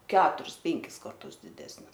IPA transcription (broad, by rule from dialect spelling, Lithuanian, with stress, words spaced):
ˈkʲæːtʊrʲɪs ˈpʲɛŋʲkʲɪs kɐrˈtʊs dʲɪˈdʲæːsʲnʲɪs